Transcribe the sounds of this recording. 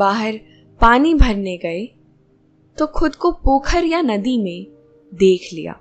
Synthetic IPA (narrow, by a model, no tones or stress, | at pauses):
baːɦəɾ | paːnibʱɐɾneɡɐe | t̪oxʊd̪kopoːkʰəɾjanɐd̪imẽ | d̪eːkʰlḭja̰ː